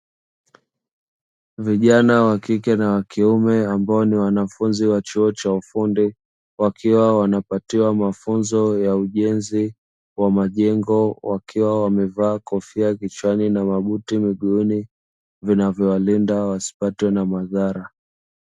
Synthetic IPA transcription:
viʄanawakikɛnawakʰiumɛambaɔniwanafunziwat͡ʃuɔt͡ʃaufundi | wakʰiwawanapatiwamafunzɔjauʄɛnzi | wamaʄɛŋɡɔwʔakʰiwawamɛvaːkɔfiakit͡ʃwaninamaɓutimiɠuni | vinavjɔwalindawasi̥patwɛnamaðaɾa

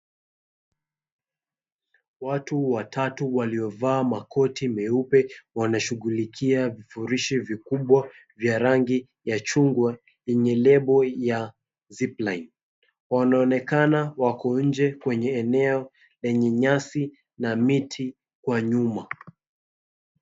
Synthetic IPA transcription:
watuwatʰatuwaliɔvaːmakʰɔtimɛupɛwanaʃuɣulikʰiavifuɾiʃivikuɓwa | vjaɾaŋɡi | jat͡ʃuŋɡwa | ɛɲɛlɛɓɔja | ziplajn | wanaɔnɛkanawakɔn̩d͡ʒɛkwɛɲɛːnɛɔ | lɛɲɛɲasi | namitʰi | kwaɲuma

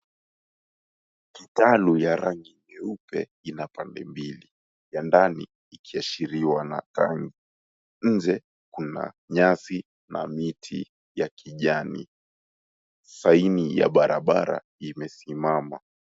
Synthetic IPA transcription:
kitalujaɾaŋɡimɛupɛ̰ | inapandɛ̰mbili | jandani | ikʰiaʃiɾiwana̰ta̰ŋɡi | ɲ̩d͡ʒɛ | kuna̰ | ɲasi | namitʰḭ | jakʰiʄanḭ | sainija̰ɓaɾʔaɓaɾa̰ | imɛsimama

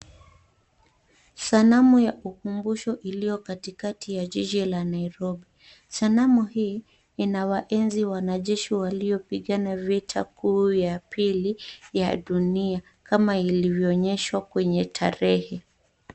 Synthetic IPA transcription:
sanamujaʔukumbuʃɔʔilijɔkatikatʰijaʄiʄilanaiɾɔɓi | sanamuhiː | inawaʔɛnziwanaʄɛʃiwaliɔpiɠanavitʰakʰuːjapʰilija̰ɗunia | kamailivjɔːɲɛʃwakwɛɲɛtʰa̰ɾɛhɛ

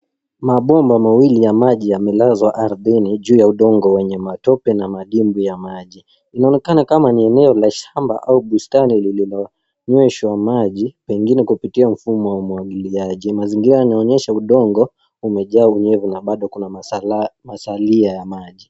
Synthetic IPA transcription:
maɓɔmbamawilijamaʄijamɛlazwaʔaɾðɛniʄuːjauɗɔŋɡɔwɛɲɛmatɔpɛnamaɗimbujamaʄi | inaɔnɛkanakamaniɛnɛɔlaʃamba̰ʔauɓustanilililɔ | ɲwɛʃwamaʄipɛŋɡinɛkupitiam̩fumɔwaumuaɠiliaʄimaziŋɡiɾajanaɔɲɛʃauɗɔŋɡɔ | umɛʄaːuɲɛvunaɓaɗɔkuna | masaliajamaʄi

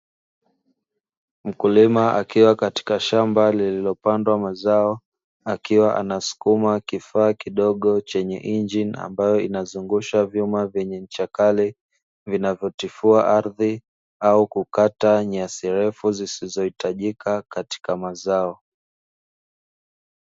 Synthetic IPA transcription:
m̩kulimaʔa̰kiwakati̥kaʃambalililɔpandwamazaɔ | akiwaʔa̰nasu̥kumakifaːkiɗɔɠɔt͡ʃɛɲɛ̰ʔind͡ʒina̰mbajɔinazuŋɡuʃavjumavjɛɲɛm̩t͡ʃakali | vinavjɔtifuaʔaɾði | aukukataɲasiɾɛfuzisizɔhitaʄikʰakati̥kamazaɔ

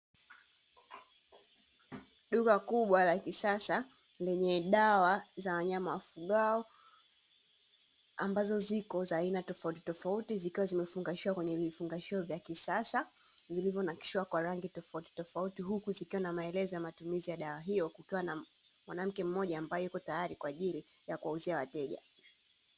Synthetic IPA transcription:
ɗuɣakuɓwalakisasa | lɛɲɛɗawazawaɲamawafuɠaɔ | ambazɔzikɔzainatɔfauti̥tɔfautizikiwazimɛfuŋɡaʃiwakwɛɲɛvifuŋɡaʃiɔvjakisasa | vilivjɔnaki̥ʃiwakwaɾaŋɡitɔfauti̥tɔfautiɦukuzikiwanamaɛlɛzɔjamatumizijaɗawaɦijɔkukiwana | mwanam̩kɛm̩mɔʄaːmbajɔjikɔtajaɾikwaːʄili | jakuwauziawatɛʄa̰

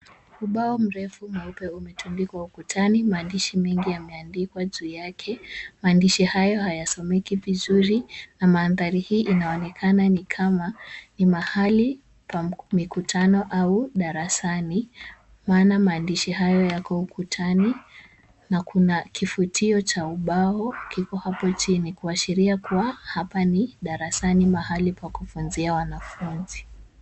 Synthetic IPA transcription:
uɓaɔm̩ɾɛfumɛupɛumɛtʰundikwaukutʰanimaːndiʃimɛŋɡijamɛandikwaʄuijakʰɛmaːndiʃihajɔhajasɔmɛkivizuɾinamaːnðaɾihiːʔinaɔnɛkʰananikʰamanimahali | kwamikutʰanɔʔauɗaɾasani | maːnamaːndiʃihajɔjakɔukutʰani | nakʰunakifutʰiɔt͡ʃauɓaɔkikɔhapɔt͡ʃinikuaʃiɾiakuwahapaniɗaɾasanimahalipakufunziawanafunzi

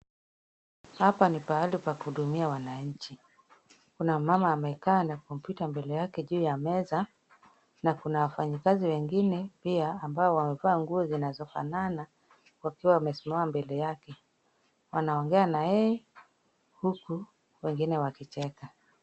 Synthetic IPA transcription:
hapanipaalipakuhuɗumiawanaɲ̩t͡ʃi | kunamamaːmɛkaːnakum̩pitambɛlɛjakɛʄuːjamɛza | nakunawafaɲikaziwɛŋɡinɛpiaːmbaɔwamɛvaːŋɡuɔzinazɔfa̰nana | wakiwawamɛsumaambɛlɛjakɛ | wanaɔŋɡɛanajɛɛ | huku | wɛŋɡinɛwakit͡ʃɛka

